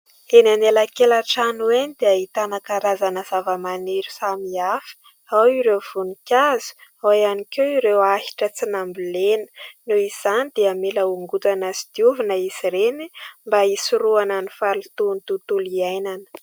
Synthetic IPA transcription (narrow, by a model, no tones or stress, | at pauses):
enanelakelaʈ͡ʂanuenid̪eəit̪anakaɾazanəzavəmaneɾu̥samiafi̥ | awiɾewv̥unikʲazu̥awjanikʲeiɾewahi̥ʈ͡ʂət͡sinambulenə̥nuiz̥anid̪̥eameləuŋɡut̪anasid̪̥iuvinəisirenimbaisuɾuananifalut̪unt̪ut̪uliajnanə̥